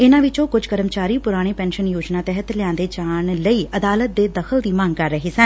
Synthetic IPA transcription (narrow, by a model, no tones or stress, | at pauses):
ɪnãːʋɪt͡ʃõːkʊd͡ʒkəɾəmt͡ʃaːɾiːpʊɾaːɽ̃eːpɛ̃ːnʃənjoːd͡ʒnaːt̪ɛɦət̪lɪjãːnd̪eːd͡ʒaːɳləiːʔəd̪aːlət̪̚d̪eːd̪əxʰəld̪iːmãːŋɡ̚kəɾːəɦeːsən